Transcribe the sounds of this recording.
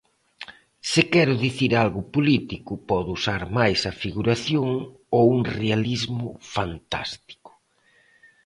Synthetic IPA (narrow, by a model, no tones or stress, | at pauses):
sɪkɛɾʊðiθiɾalɣʊpolit̪ikʊpɔðusaɾmajsɐfiɣuɾaθjoŋ | owuŋrealizmʊfant̪a̰st̪i̥kʊ̥